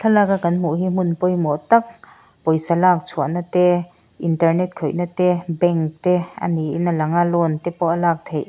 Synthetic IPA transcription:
t̪ʰalakakɐnmuʔɦim̥unpɔjmɔt̪ɐk̚ | pɔjsalaːk̚t͡sʰuaʔnat̪ɛ | ʔintɐrnɛt̚kʰɔjnat̪ɛbɛŋkt̪ɛɐ̰niʔinalɐŋalɔnt̪ɛpɔʔalaːk̚t̪ʰejʔ

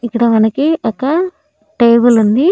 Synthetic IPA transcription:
ikːɐɽɐmɐnɐkiɐkːɐ | ʈejbulund̪i

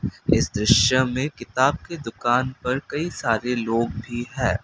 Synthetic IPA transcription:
ɪsd̪ɾɪʃjəmẽkɪt̪aːb̚ked̪ʊkaːnpɐɾkɐisaːɾeloːɡ̚bʱiɦɛː

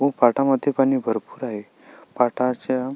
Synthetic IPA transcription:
ɦopaʈaməd̪ʱjepañiːbʱəɾpuːɾaɦe | paʈʰat͡ɕa

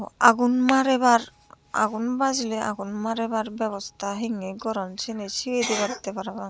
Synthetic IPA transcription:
a̰ɡunmaɾebaɾ | a̰ɡunbazleʔa̰ɡunmaɾebaɾbɛbɔst̪ʰaɦeŋeɡɔɾɔnt͡ʃʰenet͡ʃʰiwed̪ibaɾit̪epaɾaba

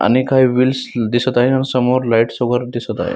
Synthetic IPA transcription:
a̰ñikajʋilsd̪isət̪ajeanisəmoɾlaiʈsoɡəɾd̪isət̪a̰jḛ

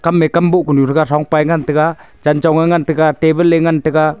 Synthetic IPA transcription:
kamːekambuʔkunuɾɯɡaɾaŋpajŋantɯɡa | d͡ʒant͡ʃɔwŋaŋantɯɡatebɯlːeŋantɯɡa

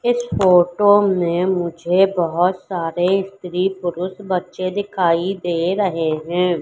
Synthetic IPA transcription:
ɪsfoːʈoːneːmʊd͡ʒʱeːbəɦɔt̪saːɾeːɪst̪ɾiːpʊɾʊsbətːʃeːd̪ɪkʰaːid̪eːɾəɦeːɦɛ̃ː

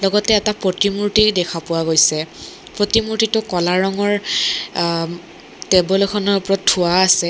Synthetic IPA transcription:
lɔɡɔtɛːtapɹotimuɹtidɛkʰapʊwaɡojsɛ | pɹotimuɹtitʊkɔlaɹɔŋɔɹ | tebɔlɔkʰɔnɔɹpɹɔttʰːuwaːsɛ

